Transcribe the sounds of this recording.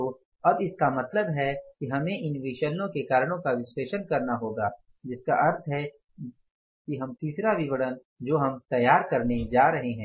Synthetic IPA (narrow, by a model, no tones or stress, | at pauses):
o | ɐbɪskamɐt̪ləbɦɛkiɦɐmẽʔɪnʋɪʃəlnõkekaːɾɽ̃õkaʋɪsweːʃənkɐɾnaɦoːɡaː | d͡ʒɪska̰ʔɐɾt̪ʰɦɛ | kiɦɐmt̪iːsɾaʋɪʋəɽən | d͡ʒoːɦɐmt̪ɐjːaːɾkɐɾned͡ʒaːɾɐɦeɦɛ̃ː